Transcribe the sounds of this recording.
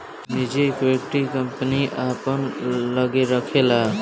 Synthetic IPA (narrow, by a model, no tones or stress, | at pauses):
mid͡ʒikwekʈikəmpəniʔapənlʌɡeɾəkʰela